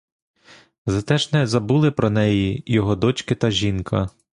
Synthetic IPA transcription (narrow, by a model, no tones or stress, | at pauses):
zɐt̪ɛʒnɛzɐbulˠɪpɾɔnɛjijɔɦɔd̪ɔt͡ʃkɪt̪ɐʒʲinkʰɐ